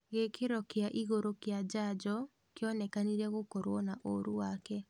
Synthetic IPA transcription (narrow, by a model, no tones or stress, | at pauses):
ɣekʰeɾɔkeaʔiɣoɾokjad͡ʒad͡ʒɔ | kjɔnɛkaniɾɛɣokɔɾwɔnaʔoɾuwakɛ